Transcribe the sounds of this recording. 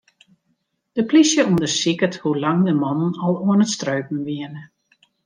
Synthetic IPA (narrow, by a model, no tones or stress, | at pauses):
d̥əplisjəundərsikəthulɑŋdəmɔnənɔlˠuənətstrøɥpn̩ʋiənə